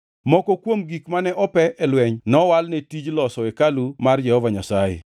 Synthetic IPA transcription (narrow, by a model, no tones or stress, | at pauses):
mɔkɔkwomɡikmanɛʔɔpɛʔɛlwɛɲnɔwalnetid͡ʒlɔsɔekalumard͡ʒɛhɔvaɲasajḛ